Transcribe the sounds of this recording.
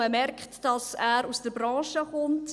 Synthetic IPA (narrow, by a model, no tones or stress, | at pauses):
əmɛrkχtd̥ɑsæːɾusd̥əɾbɾɑ̃ːʃəχʊmt